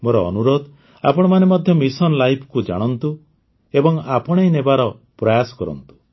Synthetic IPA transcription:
moɾɔ̰ːnuɾod̪ | apɔɽ̃ɔmanemɔd̪ʱjɔmisɔnlajpʰkud͡ʒa̰ɽ̃ɔnt̪u | ebɔŋapɔɽ̃ejnebaɾɔ | pɾɔjasɔ̥kɔɾɔ̰nt̪u̥

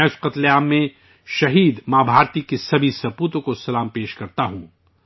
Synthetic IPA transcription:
ʊsqɐt̪leaːmːẽ | ʃɐɦiːd̪mãːbʱaːɾt̪ikesɐbʱisɐpuːt̪õkosɐlaːmpeːʃkɐɾt̪aɦũ

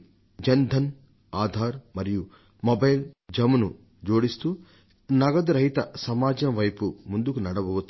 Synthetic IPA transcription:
d͡ʒɐnd̪ʱɐn | aːd̪ʱaːɾmɐɾiju | mobɐjld͡ʒɐmɐnu | d͡ʒo̞ːɽist̪u | nɐɡɐd̪ɐɾɐɦit̪ɐsɐmaːd͡ʒɐnɐʋɐjpumund̪ukunɐɽɐbɐʋut̪u̥

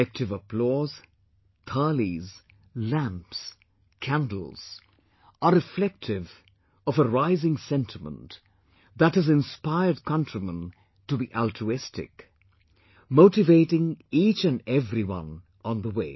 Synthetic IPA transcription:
ɛk̚tʰɨvəpʰlɔz̥ | t̪ʰɑliz | læ̃mps | kʰæ̃ndˡl̩ˠz̥ | ʔəɾɨflɛk̚tʰɪv | ʌvəɹaɪzɪ̃ŋsɛ̃ntʰəmə̰̃nt | ðətɨzɨ̃nspaɪə˞d̚kʰʌ̃ntɹ̥imə̰̃n | tɨbiʔælˠtʰɹ̥uɪstɪ̰k | moʊɾɨveɪɾɪ̃ŋit͡ʃɨ̃nɛvɹiwʌ̰̃n | ə̃nðəweɪ

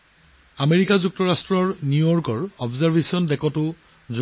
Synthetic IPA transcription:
ameɹikazuk̚tɔɹastɹɔɹnjujɔɹkɔɹɔbzaɹbʱesiɔndɛkɔtʊ | zu

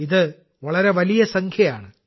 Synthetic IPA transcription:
iðɨ | ʋɐɭɐɾe̞ʋɐlijɐsɐŋkʰjɐja̰ːɳɨ

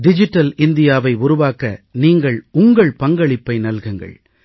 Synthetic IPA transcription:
ɖɪd͡ʒɪʈːɐlɪnd̪ɪjaːʋɐɪʊɾʊʋaːkɐniːŋɡɐɭʊŋɡɐɭpɐŋɡɐɭɪpːɐɪnɐlɣɐŋɡɐ̰ɭ

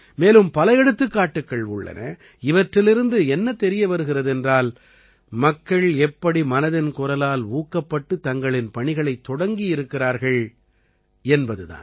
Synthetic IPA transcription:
meːlɯmpɐlɐjɛɽɯt̪ːɯkːaːʈːɯkːɐɭʊɭːɐ̰nʔɐ̰ | ɪʋɐʈrɪlɪɾɯnd̪ɯɛnːɐt̪ɛɾɪjɐʋɐɾɯɣɪrɐðɯɛndraːl | mɐkːɐɭɛpːɐɽimɐnɐðɪnkʊɾɐlaːluːkːɐpːɐʈːɯt̪ɐŋɡɐɭɪnpɐɳɪɣɐɭɐɪt̪ːɔɽɐŋɡijɪɾɯkːɪraːɾɣɐɭ | ɛnbɐðɯða̰ːn

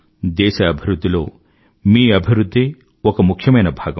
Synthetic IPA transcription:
d̪eːsɐɐbʱiɾud̪ʱːiloː | miːɐbʱiɾud̪ʱːeː | ɔkɐmukʰjɐmɐjnɐbʱaːɡɐ

